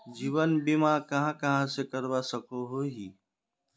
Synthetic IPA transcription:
d͡ʒiːʋənbimakɐɦãkɐɦãsekəɾbasəkʰoɦoɦiː

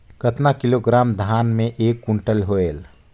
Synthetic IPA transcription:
kət̪nakɪloːɡɾaːmd̪ʱaːnmẽʔeːkːʊɳʈəlɦoːeːl

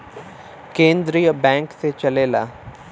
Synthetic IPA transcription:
kẽːnd̪ɾijəbɛ̃ːŋkset͡ʃɐleːla̰ː

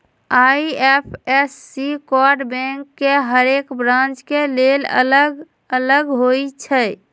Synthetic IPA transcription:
aiepʰesːikɔɾɖbɛ̃ŋkːeɦəɾekbɾãnt͡ʃkelelə̰ləɡ | ələɡɦojt͡ʃʰə

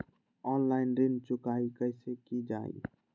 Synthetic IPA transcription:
ɔːnlaːɪnɾɪnt͡ʃʊkaːikəɪsekid͡ʒa̰ːḭ

